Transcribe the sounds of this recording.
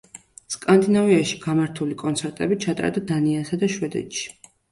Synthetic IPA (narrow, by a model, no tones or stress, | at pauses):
skʼand̪inaviaʃi̥ɡ̥amaɾt̪ʰulikʼɔnt̪sʰɛɾt̪ʼɛbit͡ʃʰat̪ʼa̰ɾd̪ad̪aniasad̪aʃwɛd̪ɛ̰t̪ʼʃi̥